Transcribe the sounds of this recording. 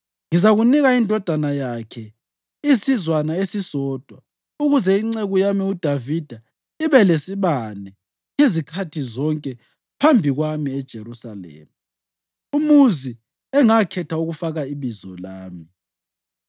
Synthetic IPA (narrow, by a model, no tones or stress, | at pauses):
ŋizaɣuniɣaindʱɔd̥ʱanajakʰɛ | isizwanaesisɔːd̥ʱwa | uɣuzɛiŋ͡ǀeɣujamiud̥ʱavid̥ʱa | iβɛlesiβanɛ | ŋezikʰatʰizɔŋkʼɛ | pʰambʱiɣwamiɛd̥ʒ̥ʱeɾusalḛːmi | umuzi | ɛŋakʰɛtʰauɣufaɣaiβizɔ̰laːmi